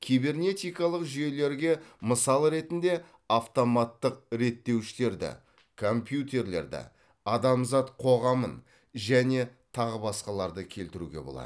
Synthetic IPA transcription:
kʲʰijbe̞rnʲe̞t̪ijkɑlˠəqʒije̞le̞ɾɡʲe̞məsɑlˠɾe̞t̪ɪnd̪e̞ | aft̪o̞mɑt̪ːəq̚ɾe̞t̪ːe̞wʃɪle̞ɾd̪ɪ̰ | kʰo̞mpjut̪e̞ɾle̞̰ɾd̪ɪ̰ | ɑd̪ɑmzɑt̪qʰo̞ʁɑmən | ʒæne̞t̪ʰɑʁəbɑsqɑlˠɑɾd̪əkʲʰe̞lt̪ɪɾṵɡʲe̞̰bo̞̰lˠɑ̰d̪

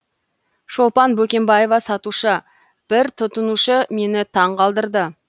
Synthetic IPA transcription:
ʃo̞lˠpɑnbɵkʲe̞mbɑje̞vɑsɑt̪uʃə | b̥ɪɾt̪ʰʊt̪ənuʃəme̞nɪt̪ʰɑɴqʰɑlˠd̪əɾd̪ə

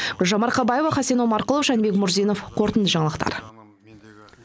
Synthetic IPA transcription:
ʒɑmɑɾqʰɑbɑje̞vɑχɑsenomɑɾqəlˠəfʃænbe̞kmʊɾzenofqʰo̞ɾt̪ənd̪əʒɑɴɑlˠəqt̪ɑ̰ɾ

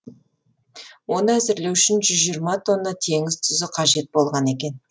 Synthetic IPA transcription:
wo̞nəæzɪɾle̞wʏʃɪnʒʏzʒijɾmɑt̪ʰo̞nːət̪ʰe̞ŋɪzt̪ʰʏzɪqʰɑʒe̞t̪̚bo̞lˠʁɑne̞kʲe̞n

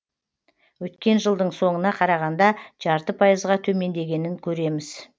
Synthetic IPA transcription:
wɵt̪kʲe̞nʒəlˠd̪əɴso̞ɴənɑqʰɑɾɑʁɑnd̪ɑʒ̥ɑɾt̪əpʰɑjəzʁɑt̪ʰɵme̞nd̪e̞ɡʲe̞nɪŋkʲʰɵɾe̞mɪz̥

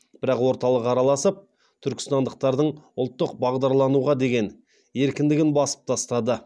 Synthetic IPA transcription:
b̥ɪɾɑqwo̞ɾt̪ɑlˠəqɑɾɑlˠɑsəp̚ | t̪ʰʏɾkʲɪ̥st̪ɑnd̪əq̚t̪ɑɾd̪əɴʊlˠt̪ːəqbɑʁd̪ɑɾlˠɑnuʁɑd̪e̞ɡʲe̞n | e̞ɾkʲɪnd̪ɪɡʲɪnbɑsə̥p̚t̪ʰɑst̪ɑd̪ə

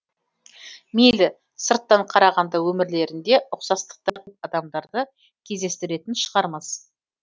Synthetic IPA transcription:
melɪ | səɾt̪ːɑɴqʰɑɾɑʁɑnd̪ɑwɵmɪɾle̞ɾɪnd̪e̞ʔʊqsɑst̪ə̥q̚t̪ɑɑd̪ɑmd̪ɑɾd̪ə | kʲʰe̞zd̪e̞st̪ɪɾe̞t̪ɪnʃəʁɑɾmɑz

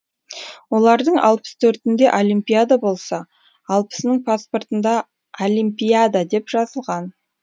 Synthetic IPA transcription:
wo̞lˠɑɾd̪əɴɑ̰lˠpə̥st̪ʰɵɾt̪ɪnd̪e̞ʔo̞lʲimpʲijad̪abo̞lˠsɑ | ɑlˠpə̥snəɴpʰaspo̞rt̪ənd̪ɑ | olʲimpʲijad̪ad̪e̞pʒ̥ɑzəlˠʁɑn

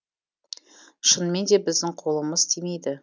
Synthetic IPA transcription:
ʃənme̞nd̪e̞bɪzd̪ɪŋqʰo̞lˠəməzt̪ʰeme̞jd̪ɪ

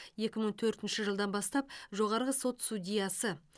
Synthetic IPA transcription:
je̞kʲɪməɴt̪ʰɵɾt̪ɪnʃɪʒəlˠd̪ɑnbɑst̪ɑp̚ʒo̞ʁɑɾʁəso̞t̪sud̪ʲijɑsə

